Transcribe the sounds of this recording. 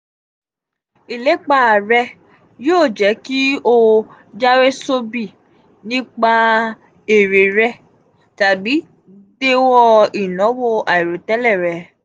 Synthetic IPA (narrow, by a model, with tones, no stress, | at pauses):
i˨le˨˦k͡pa˦˨ɾɛ˧ | joː˦˨d͡ʒɛ˨˦ki˦o˧ | d͡ʒa˦we˦so˦bi˦˨ | nĩ˦k͡pa˧ | e˨ɾe˨ɾɛ˦˧ | ta˨bi˨˦ | de˦wɔ˦˧i˨nɔ̃˨˦wo˦a˨i˨ɾo˨tɛ˦lɛ˦˨ɾɛ˨˦